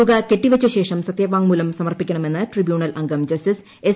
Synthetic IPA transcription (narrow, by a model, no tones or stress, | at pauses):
uɣɐke̞ʈːiʋɐt͡ɕːɐɕe̞ːʂɐmsɐt̪jɐʋaːŋmuːlɐmsɐmɐrpikʲːɐɳɐme̞nːɨʈribjuːɳɐlɐŋɡɐmd͡ʑɐstis | e